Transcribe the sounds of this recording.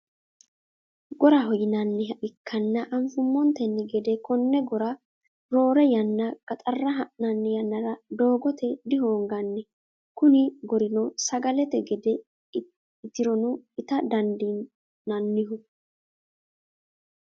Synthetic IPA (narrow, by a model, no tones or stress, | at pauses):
ɡɔɾɐɦɔjɪnɐnːɛʔɪkːɐnːɐʔɐmfʊmːɔnt̪ɛnːɛɡɛd̪ɛkɔnːɛɡɔɾɐ | ɾo̞ːɾɛjɐnːɐɡ̥ɐt̪ʼɐrːɐɦɐʔnɐnːɛjɐnːɐɾɐd̪o̞ːɡɔt̪ɛd̪ɪɦoːŋɡɐnːɛ | kʊnɪɡɔɾɪnɔsɐɡɐlɛt̪ɛɡɛd̪ɛ | ɪt̪ɪɾɔnʊɪt̪ɐd̪ɐnd̪inː | ɐnːɪɦʊ